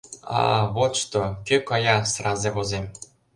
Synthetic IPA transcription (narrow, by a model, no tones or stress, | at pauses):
ɑ̰βot̪ʂt̪okʲøkɑjɑsrɑzeβozemʲ